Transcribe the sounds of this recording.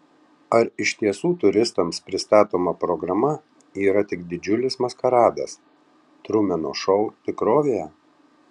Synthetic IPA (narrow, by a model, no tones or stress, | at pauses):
ɐɾɪʃʲt̪ʲiɛsuːt̪ʊɾʲɪst̪ɐmspʲɾʲɪst̪ɑːt̪oːmɐpɾɔɡɾɐmɐ | iːɾɐt̪ʲɪkd̪ʲɪd͡ʒʲʊlʲɪsmɐskɐɾɑːd̪ɐ̰s | t̪ɾʊmʲɛno̰ʃɔʊt̪ʲɪkɾoːʋʲejɛ